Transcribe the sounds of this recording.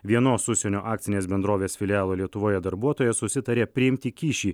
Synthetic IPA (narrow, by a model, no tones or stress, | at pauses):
ʋʲiɛnoːsʊʃʲsʲɛnʲoːʔɑːkt̪sʲɪnʲeːsbʲɛnd̪ɾoːʋʲeːsfʲɪlʲɪaːlˠoːlʲiɛt̪ʊʋoːjɛd̪ɐɾbuɔt̪oːjɛsʊsʲɪt̪ɐɾʲeːpʲɾʲɪɪmʲt̪ʲikʲiːʃʲiː